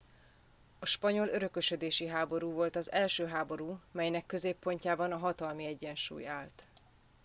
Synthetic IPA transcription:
ɒʃpɒɲo̞løɾø̞køʃød̪eːʃiɦaːbo̞ɾuːvo̞lt̪ɒzɛlʃøːɦaːbo̞ɾuːmɛjnɛkːø̞zeːpːo̞ɲcaːbɒnɒɦɒt̪ɒlmiɛɟːɛnʃṵːjaːlt̪

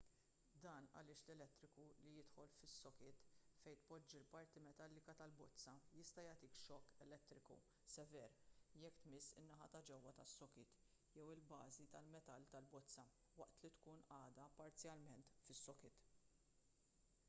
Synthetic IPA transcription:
d̪ɐːnɐ̰lɪːʃlɛlɛt̪ːɾɪkulijɪt̪ħɔlfɪsːɔkɪːt̪fɛjt̪pɔd͡ʒːilpɐɾt̪imɛt̪ɐlːɪkɐt̪ɐlbɔt͡sːɐjɪst̪ɐjɐːt̪iːkʃɔkːɛlɛt̪ːɾɪkṵ | sɛvɛːɾjɛkːt̪mɪsːɪnːɐħɐt̪ɐd͡ʒɛwːɐt̪ɐsːɔkɪːt̪ | jɛwɪlbɐːzit̪ɐlmɛt̪ɐlt̪ɐlbɔt͡sːɐ | wɐʔt̪lit̪kuːnɐːd̪ɐpɐɾt͡sjɐlmɛnt̪fɪsːɔkɪːt̪

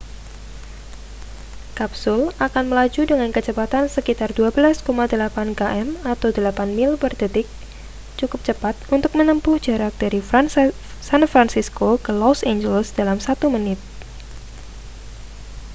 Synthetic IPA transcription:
kapsʊlakanməlad͡ʒudəŋankət͡ʃəbat̪ansəkit̪arduabəlaskomadəlapankaʔɛmat̪awdəlapanmɪlbərdət̪ɪk̚ | t͡ʃukʊp̚t͡ʃəpat̪̚unt̪ʊk̚mənəmpʊhd͡ʒaɾak̚d̥aɾi | sanfɾansiskokəlɔsend͡ʒəlsd̥alamsat̪umənɪt̪̚

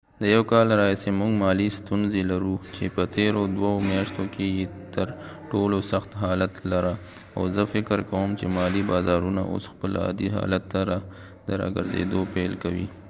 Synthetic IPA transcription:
d̪əjawkɑlɾɑisemʊŋɡmɑlist̪unzelaɾut͡ʃepət̪eɾod̪waomjɑʃt̪okejet̪əɾ | ʈolosaxt̪ɦɑlat̪laɾa | awzəfɪkəɾkawəmt͡ʃemɑlibɑzɑɾuna̰ʔo̰sxpəla̰d̪iɦɑ̰lat̪ːaɾa | d̪əɾɑ̰ɡə̰ɾzḛd̪opelkawi

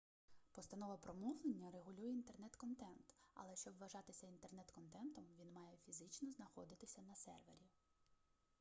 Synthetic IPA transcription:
pɔst̪ɐnɔʋɐpɾɔmɔʋlˠenʲːɐreɦʊlʲujɛint̪e̞rnɛt̪kɔnt̪ɛnt̪ɐ̰lˠɛʃt͡ʃɔbʋɐʒɑt̪ɪsʲɐint̪e̞rnɛt̪kɔnt̪ɛnt̪ɔmʋʲinmɑjɛfʲizɪt͡ʃnɔznɐxɔd̪ɪt̪ɪsʲɐnɐsɛ̰rʋḛɾʲiw

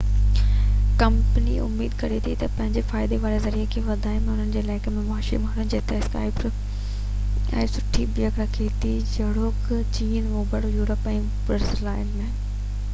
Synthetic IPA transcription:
kɐ̃mpniʊ̰mːiːd̪kɐɾet̪ʰit̪ɐpɐ̃ɦɪ̃ɲd͡ʑefaːɪd̪eʋaːɾezɐɾiːekʰeːʋɐd̪ʱaːɪmẽʊn̤ənɪ̆d͡ʑeːlaːɪkəmẽmaːʃɾḭmːʊnənɪ̆d͡ʑeːt̪ɛska̰ːɪp | ɛ̰̃ːsʊʈʰibɪjəkɾakʰeːt̪i | d͡ʑɐɽoːk | t͡ɕiːnʋoːbɐɽ̤ojuːɾəpɛ̃ː | pəɾslaːɪnmẽː

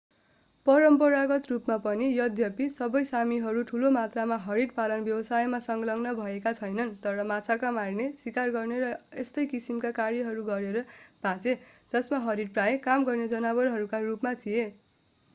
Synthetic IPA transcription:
pʌɾʌmpʌɾaɡʌt̪rupmapʌnijʌd̪ʱjʌpisʌbʌjsamiɦʌɾuʈʰulomat̪ramaɦʌɾiɽpalʌnbjʌwʌsajmasʌŋɡlʌŋnʌbʱʌekat͡sʰʌjnʌnt̪ʌɾʌmat͡sʰakamarnesikarɡʌrneɾʌest̪ʌjkisimkakarjʌɦʌɾuɡʌɾeɾʌb̥ʱat͡sed͡zʌsmaɦʌɾiɖprajekamɡʌrned͡zʌnaβʌrɦʌɾukarupmat̪ʰije

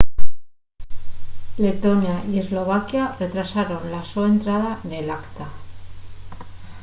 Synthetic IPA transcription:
le̞t̪o̞njaʔie̞zlo̞β̞akjare̞t̪ɾasaɾo̞nlasoent̪ɾaðane̞lakt̪a

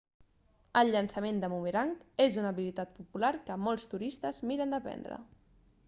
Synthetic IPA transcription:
əlˠʎənsəmend̪əmumeɾaŋkezunəβilit̪at̪̚pupulaɾkəmɔlˠst̪uɾist̪əzmiɾənd̪əpɛ̰nd̪ɾə̰

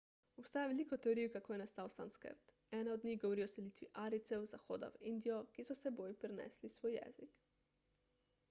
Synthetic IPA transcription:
ɔpst̪aːjaʋeliːkɔt̪ɛoɾiːkakoːjɛnast̪aːwsa̰nskə̰ɾt̪ | ɛːnaɔd̪nʲiːɣɡɔʋɔɾiːɔsɛliːt̪ʋiʔaːɾit̪sɛwzaxoːd̪a̰wind̪ijɔkisɔsɛboːjpɾɛnɛ̰ːslisʋoːjɛ̰ːzik

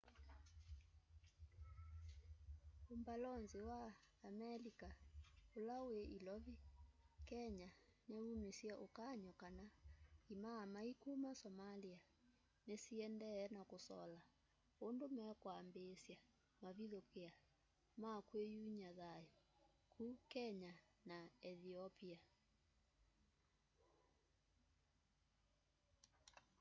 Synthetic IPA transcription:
ombalɔnziwaːmɛlikaolaweʔilɔβikɛɲaneunesjaʔokaɲɔkanaimamaikumasɔmalia | nesiɛndɛːnakosɔ̰la | ondomɛkwaːmbesja | maβiðokea | makwejuɲaðajɔ | kʰukɛɲa | naɛðiɔpia

